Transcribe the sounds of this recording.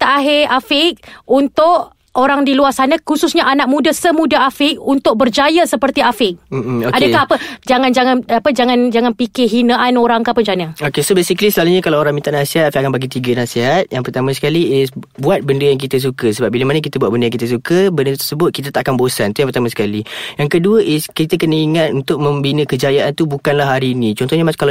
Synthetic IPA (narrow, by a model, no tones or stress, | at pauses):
t̪aʔaɦɪafɪk̚unt̪ʊʔ | oɾaŋdiluasanakususɲaʔanaʔ̚mũdasəmũdaafɪk̚unt̪ʊk̚bərd͡ʒajasəpərt̪iafɪk̚m̩m̩oadəkahapəd͡ʒaŋãnd͡ʒaŋanapəd͡ʒaŋand͡ʒaŋanpikɪɦinaʔanoɾaŋkapənd͡ʒanaokesobesiklisəlaluɲakalaoɾaŋmint̪aʔnasiɦat̪afiakanbaɡit̪iɡənasiɦat̪̚jaŋpərt̪amãsə̥kaliɪsbuat̪̚bəndəjaŋk̬it̪əs̬ukəsəbap̚biləmanək̬it̪əbuat̪̚bəndəjaŋkit̪əs̬ukəbəndət̪ərsəbʊt̪̚kit̪at̪aʔakanbosant̪ujaŋpərt̪amasə̥kalijaŋkəduəʔɪskit̪ək̬ənəiŋat̪̚unt̪ʊk̚mə̃mbinə̃kəd͡ʒajaʔant̪ubukanlaɦaɾiːnĩt͡ʃɔnt̪ɔɦɲaakal